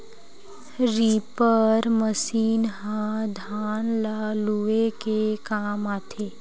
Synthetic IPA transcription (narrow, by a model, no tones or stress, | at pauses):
ɾiːpəɾməsiːnɦãd̪ʱaːnlaːluekekaːmaːt̪ʰeː